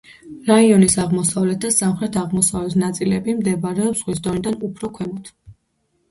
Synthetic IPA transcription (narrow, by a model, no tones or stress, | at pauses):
ɾaiɔnisaʁmɔsavlɛt̪̚d̪asamχɾɛt̪ʰaʁmɔsavlɛt̪ʰnat̪sʼilɛbimd̪ɛbaɾɛɔbz̥ʁwis̬d̪ɔnid̪anupʰɾɔkʰwɛmɔt̪ʰ